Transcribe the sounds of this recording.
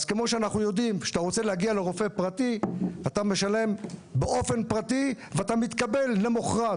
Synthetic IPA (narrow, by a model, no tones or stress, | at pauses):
zkemo̞ʃeanaχnujo̞d̪imʃe̥at̪aʁo̞t͡seleaɡiale̞ʁo̞fe̞pʁat̪iat̪ame̞ʃale̞mbeʔo̞fe̞npʁativeat̪amit̪kabe̞lːe̞moχʁa